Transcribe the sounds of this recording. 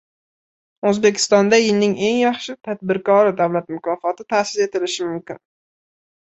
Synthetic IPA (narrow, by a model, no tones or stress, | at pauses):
ɵzbe̞kʲʰɪ̥st̪ɒnd̪ajɪlnɪŋe̞ŋjaχʃɪt̪ʰad̪̚bɪɾkɒɾɪd̪awlat̪mʊkʰɒfɒt̪ɪt̪ʰaːsɪze̞t̪ɪlɪʃɪmʊmkʲɪn